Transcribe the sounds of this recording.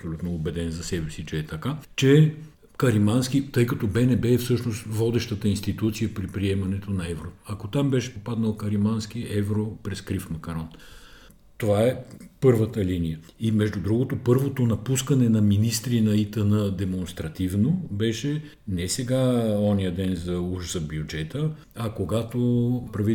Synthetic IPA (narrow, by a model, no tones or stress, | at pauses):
ɐpsolʲut̪noːbɛd̪ɛnzɐsɛbɛsit͡ʃɛːt̪ɐkat͡ʃɛ | kɐɾimanskit̪ɤjkɐt̪obɛnɛbɛfsɤʃnost̪vɔd̪ɛʃt̪ət̪əinst̪it̪ut̪sijəpɾipɾiɛmɐnɛt̪onɐɛvɾoɐkot̪ambɛʃɛ̥popad̪nəlˠkɐɾimansk̟iɛvɾopɾɛskɾifmɐkɐɾɔn | t̪ovaɛpɤɾvət̪əlinijə | imɛʒd̪ud̪ɾuɡot̪opɤɾvot̪onɐpuskɐnɛnɐminist̪ɾinɐit̪ənəd̪ɛmonst̪ɾɐt̪ivnobɛʃɛ | nɛsɛɡaɔnijəd̪ɛnzɐuʒzɐbjud͡ʒɛt̪ə | ɐkoɡat̪opɾɐvi